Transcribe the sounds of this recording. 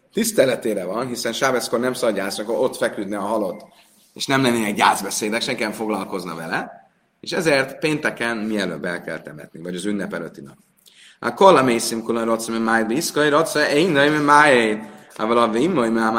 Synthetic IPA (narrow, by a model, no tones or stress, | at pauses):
t̪ist̪ɛlɛt̪eːɾɛvɒnɦisɛnʃaːvɛskornɛmsɒɟaːsɔkoɾo̞t̪fɛkyd̪nɛɒɦɒlo̞t̪ | ḛːʃnɛmlɛnːeːnɛkɟaːd̪zbɛseːd̪ɛkʃɛŋkɛɱfo̞ɡlɒlko̞znɒ̰vɛlɛ | ḛʃɛzeːrt̪peːnt̪ɛkɛnmiɛlø̰ːbɛ̰lkɛ̰lt̪ɛmɛ̰t̪nivɒɟɒzynːɛpɛløt̪ːinɒp | a̰kolamejsimkulonɾot̪smɛmajbiskoiɾot̪sɛɛinːojmemajeavɔlɒvimːojmam